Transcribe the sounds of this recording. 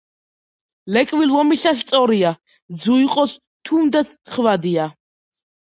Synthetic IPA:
lɛkʼvilvɔmiɬast̪sʼɔɾia | d̪zuiqʼɔs | t̪ʰumd̪at̪sʰχvad̪ia

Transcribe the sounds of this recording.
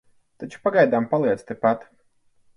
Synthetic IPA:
t̪at͡ʃu̥paɡajd̪aːmpalˠiɛt̪st̪epat̪

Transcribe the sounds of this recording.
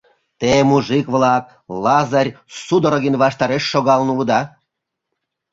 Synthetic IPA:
t̪emuʒikβlɑk̚ | lɑzɑrʲsud̪oɾoɣənβɑʃt̪ɑɾeʃːoɣɑlnuləd̪ɑ

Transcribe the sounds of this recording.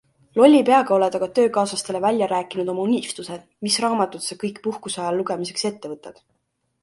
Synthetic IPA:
lo̞lʲːipeɑɡ̥ɑo̞led̪ɑɡ̥ɑt̪ø̞ːkɑːsɑst̪e̞le̞vælʲjɑɾæːkːˑinud̪̥o̞mɑunift̪use̞d̪̥misrɑːmɑt̪ːut̪sekɤjkpuhkusɑjɑlluɡ̥e̞mise̞kse̞t̪ːe̞vɤt̪ːˑɑd̪̥

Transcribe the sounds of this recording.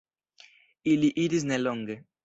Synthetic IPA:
iliʔiɾizneloŋɡe

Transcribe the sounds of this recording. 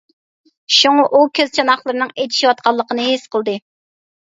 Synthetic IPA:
ʃuŋɑʔukʲʰøzt͡ʃʰɑnɑχlˠəɾɨnɨŋejt̪ʰi̥ʃiwɑt̪̚qʰɑlˠːəqənɨɦesqəlˠd̪ɨ

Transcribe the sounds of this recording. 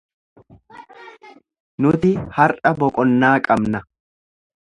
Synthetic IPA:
nʊt̪ɪhɐɾʔɐbɔkʼɔnːaːkʼɐbnɐ

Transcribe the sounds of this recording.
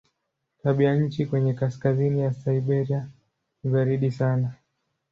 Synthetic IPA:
taɓijaɲ̩t͡ʃikwɛɲɛkaskazinijasaiɓɛɾia | nizaɾiɗisana

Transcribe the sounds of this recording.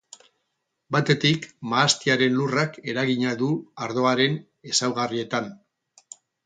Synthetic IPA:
bat̪e̞t̪ikmaːst̪iaɾe̞nlurake̞ɾaɣiɲaðuaɾðo̞aɾe̞n | e̞sawɣarie̞t̪an

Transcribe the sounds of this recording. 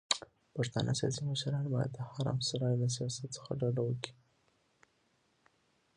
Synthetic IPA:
paɾt̪ɑ̰nʔə̰sijɑ̰siməʃɾɑnbɑja̰d̪̚d̪əhaɾɑ̰msaɾɑjolasijɑsat̪sə̥xa̰ɖaɖawəki̥

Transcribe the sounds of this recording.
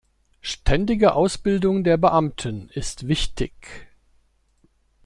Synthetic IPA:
ʃtʰɛndɪɡəʔaʊsb̥ɪldʊŋdeːɐbəʔamtʰənɪstv̥ɪçtɪç

